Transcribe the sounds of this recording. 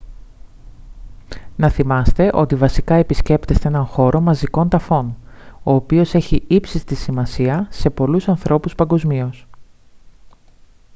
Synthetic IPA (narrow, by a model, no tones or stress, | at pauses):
nɐθimɐst̪e̞ʔo̞t̪ivɐsikɐe̞pisce̞pt̪e̞st̪e̞enɐŋxo̞ɾo̞mɐziko̞nt̪ɐfo̞no̞ːpio̞se̞çiipsist̪isimɐsiɐse̞po̞lusɐnθɾo̞puspɐŋɡo̞zmio̞s